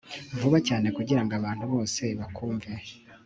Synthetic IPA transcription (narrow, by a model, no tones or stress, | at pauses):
ɱvuβacaːne̞kuɟiɾaŋɡaβaːn̥huβo̞ːse̞βakʰuːɱve